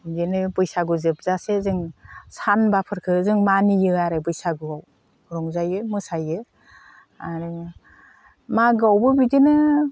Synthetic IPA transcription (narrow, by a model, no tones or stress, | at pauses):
bidɯnɯbɯjsaɡɯzɯp̚zasezɯŋsanbapʰɯɾkʰɯzɯŋmanijɯaɾɯbɯjsaɡɯaw | ɾɔŋzajɯmɯsajɯ | aɾɯ | maɡɯawbɯbidinɯ